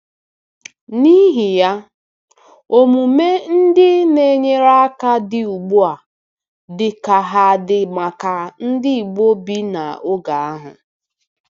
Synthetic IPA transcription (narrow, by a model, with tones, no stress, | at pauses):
ni˦ɦi˨ja˦ | o˨mu˨me˦n̩˦dɪ˦ne˦ɲe˦ɾa˦a˦ka˦dɪ˨u˨ɡ͡bu˦a˨ | dɪ˨ka˨ɦa˨dɪ˨ma˨ka˨n̩˦dɪ˦i˨ɡ͡bo˦bi˦na̰˨ʊ˦ɡa˨a˦ɦa˨